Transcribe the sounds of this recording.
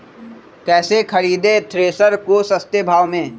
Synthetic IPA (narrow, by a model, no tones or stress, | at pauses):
kɛːsekʰɐɾiːd̪et̪ʰɾeːsəɾkosɐst̪ebʱaːʋmẽː